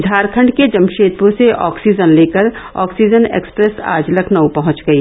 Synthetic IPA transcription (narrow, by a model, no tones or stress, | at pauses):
d̪ʱaːɾkʰə̃ɳɖked͡ʒɐmʃeːt̪ɾõseʔɔːksiːd͡ʒənleːkəɾɔ̰ːksiːd͡ʒənḛːkspɾesa̰ːd͡ʒləkʰnɐwpɐɦʊ̃t͡ʃɡɐiː